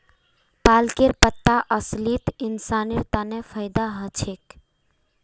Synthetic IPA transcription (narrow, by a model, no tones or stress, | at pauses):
palkeɾpət̪ːaʔəslit̪insaniɾt̪anepʰəjd̪aɦət͡ʃʰek